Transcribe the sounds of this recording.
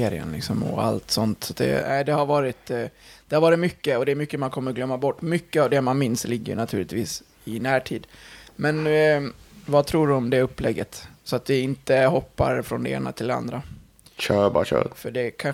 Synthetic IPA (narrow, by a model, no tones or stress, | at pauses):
eːɾɪ̰ə̰nlɪksɔmɔ̰a̰lt̪sɔnt̪sɔ̥t̪̚d̪ɛ̰æ̰ɪd̪ɛhaɾvɑːɾɪt̪d̪̥ɛhaɾvɑːɾɪt̪mʏkːəɔd̪ɛːɾmʏkːəmankʰɔmːəɾɡlœmːabɔʈːmʏkːəavd̪ɛmanmɪnslɪɡːəjɵ̰nat̪ʰʉ̟ːlɪt̪viːs | ɪnæːʈʰiːd̪mɛn | vat̪ʰɾuːɖɵɔmd̪ɛɵpːlɛɡːət̪sɔat̪vɪɪnt̪əhɔpːa̰ɾfɾɔnd̪ɛḛːna̰t̪ʰɪld̪ɛa̰nd̪ɾa | ɕœːbɕœ̰ːfœɖɛkʰa